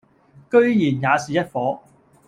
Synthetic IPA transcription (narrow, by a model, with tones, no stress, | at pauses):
kɵ˥ɥjiː˨˩njaː˨˧siː˨jɐ˥t̚fɔː˨˥